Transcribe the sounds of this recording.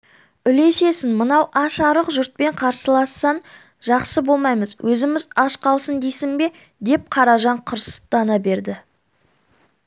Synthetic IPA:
ʏle̞se̞sɪnmənɑwʔɑʃɑɾəqʒʊɾt̪̚pe̞ɴqʰɑɾsəlˠɑsːɑn | ʒɑqsəbo̞lˠmɑjməzwʔɵzɪmɪzɑʃqɑlˠsənd̪ejsɪŋbe̞ | d̪e̞p̚qʰɑɾɑʒɑɴqʰʊɾsə̥d̪̥ɑnɑbe̞ɾd̪ɪ

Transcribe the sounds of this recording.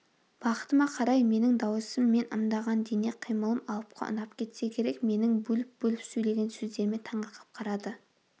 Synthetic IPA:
b̥ɑqə̥t̪əmɑqʰɑɾɑjme̞nɪŋd̪ɑwəsəmːe̞nʔə̰md̪ɑʁɑnd̪eneqʰijməlˠəmɑlˠəp̚qʰɑ̰ʔʊ̰nɑpkʲʰe̞t̪se̞kʲʰe̞ɾe̞kme̞nɪŋbɵlɪp̚bɵlɪpsɵjle̞ɡʲe̞nsɵzd̪e̞ɾme̞t̪ʰɑɴɑqʰə̥p̚qʰɑɾɑd̪ə

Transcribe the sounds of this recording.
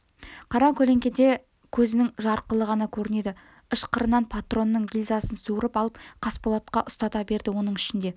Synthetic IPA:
qʰɑɾɑkʲʰɵle̞ŋkʲe̞d̪e̞ | kʲʰɵzɪnɪŋʒɑɾqəlˠəʁɑnɑkʲʰɵɾɪne̞d̪ɪ | əʃqʰəɾənːɑnpʰat̪ro̞nːəɴɡʲilʲzɑsənsuɾəpɑlˠəpqʰɑspolˠot̪̚qɑʔʊst̪ɑt̪ɑbe̞ɾd̪ɪwo̞nəɴɪʃɪnd̪e̞

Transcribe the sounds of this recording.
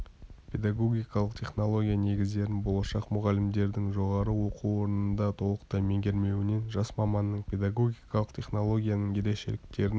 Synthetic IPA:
pʰʲe̞d̪ɑɡo̞ɡʲijkɑlˠəqt̪ʰʲe̞χno̞lˠo̞ɡʲijane̞ɡʲɪzd̪e̞ɾɪnbo̞lˠɑʃɑqmʊʁɑlɪmd̪e̞ɾd̪ɪŋʒo̞ʁɑɾəwo̞quwo̞ɾnənd̪ɑt̪ʰo̞lˠəqt̪ɑjme̞ŋɡʲe̞ɾme̞wɪne̞nʒɑsmɑmɑnːəɴpʰʲe̞d̪aɡo̞ɡʲijkɑlˠəqt̪ʲʰe̞χno̞lˠo̞ɡʲijanəɴe̞ɾe̞kʃe̞̰lɪk̚t̪e̞ɾɪn

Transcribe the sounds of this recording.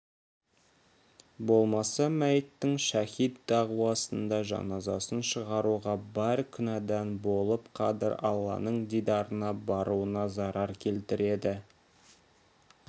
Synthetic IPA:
bo̞lˠmɑsɑmæjt̪ːɪŋʃæhijt̪̚d̪ɑʁuwɑsənd̪ɑʒɑ̰nɑzɑsənʃəʁɑɾuʁɑbæɾkʲʰʏnɑd̪ænbo̞lˠəpqʰɑd̪ɪ̰ɾɑlˠːɑ̰nəɴd̪ijd̪ɑɾənɑbɑɾuənɑzɑɾʔɑɾkʲʰe̞lt̪ɪɾe̞d̪ɪ

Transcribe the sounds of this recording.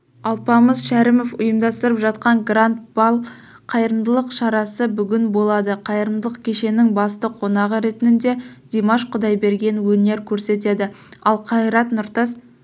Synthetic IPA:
ɑlˠpɑməzʃæɾɪmo̞fʊjəmd̪ɑst̪əɾəpʒɑt̪qɑɴɡrant̪̚bɑlˠ | qʰɑjəɾəmd̪əlˠəqʃɑɾɑsəbʏɡʲɪnbo̞lˠɑd̪əqʰɑjəɾəmd̪əlˠəqkʲʰe̞ʃe̞nɪŋbɑst̪əqʰo̞nɑʁəɾe̞t̪ɪnɪnd̪e̞d̪̥ʲemaʃqʰʊd̪ɑjbe̞ɾɡʲe̞nwɵne̞ɾkʲʰɵɾse̞t̪e̞d̪ɪɑlˠqʰɑjɾɑt̪nʊɾt̪ɑs

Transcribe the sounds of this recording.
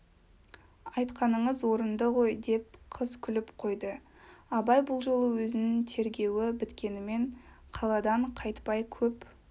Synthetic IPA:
ɑjt̪qɑnəɴəzwo̞ɾənd̪əʁo̞jd̪e̞p̚qʰəzkʲʰʏlɪpqʰo̞jd̪ə | ɑbɑjbʊlˠʒo̞lˠəwɵzɪnɪŋt̪ʰe̞ɾɡʲe̞wɪbɪt̪kʲe̞nɪme̞ɴ | qʰɑlˠɑd̪ɑɴqʰɑjt̪pɑjkʲʰɵp

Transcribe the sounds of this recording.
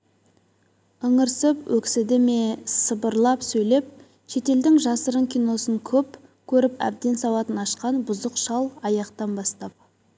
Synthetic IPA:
əɴəɾsəpwʔɵksɪd̪ɪme̞səbəɾlˠɑpsɵjle̞p̚ | ʃe̞t̪e̞ld̪ɪŋʒɑsəɾəŋkʲʰijno̞səŋkʲʰɵp | kʲʰɵɾɪpæ̰b̚d̪e̞nsɑwɑt̪ənɑʃqɑnbʊzəqʃɑlˠɑjɑqt̪ɑnbɑst̪ɑp̚

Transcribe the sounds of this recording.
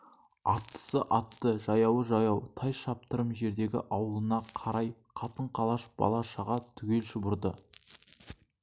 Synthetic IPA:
ɑt̪ːə̥səʔɑt̪ːəʒɑjɑwəʒɑjɑwt̪ʰɑjʃɑp̚t̪əɾəmʒe̞ɾd̪e̞ɡʲɪ̰ʔɑwəlˠənɑqʰɑɾɑjqʰɑt̪əɴqʰɑlˠɑʃb̥ɑ̰lˠɑʃɑʁɑt̪ʰʏɡʲe̞lʃʊbʊɾd̪ə̰

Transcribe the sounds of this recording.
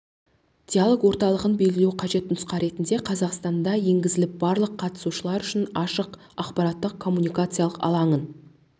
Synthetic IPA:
d̪̥ʲijalˠo̞kwo̞ɾt̪ɑlˠəʁənbe̞jɡʲɪlewqʰɑʒe̞t̪nʊsqɑɾe̞t̪ɪnd̪e̞qʰɑzɑqst̪ɑnd̪ɑje̞ŋɡʲɪzɪlɪp̚bɑɾlˠəqʰːɑt̪ə̥suʃəlˠɑɾʏʃɪnɑʃəq | ɑqpɑɾɑt̪ːəq̚kʰo̞mːunʲijkat̪sɨjalˠəqɑ̰lˠɑɴən

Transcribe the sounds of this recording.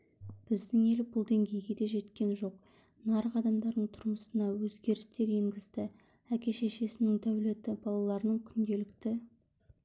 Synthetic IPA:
b̥ɪzd̪ɪŋe̞lɪbʊlˠd̪e̞ŋɡʲe̞jɡʲe̞d̪e̞ʒe̞t̪kʲe̞nʒo̞q | nɑɾəqɑd̪ɑmd̪ɑɾd̪əɴt̪ʰʊɾməsənɑwɵzɡʲe̞ɾɪst̪e̞ɾe̞ŋɡʲɪzd̪ɪ | ækʲe̞ʃe̞ʃe̞sɪnɪŋd̪æwle̞t̪ɪbɑlˠɑlˠɑɾənəɴkʲʰʏnd̪e̞lɪkt̪ɪ

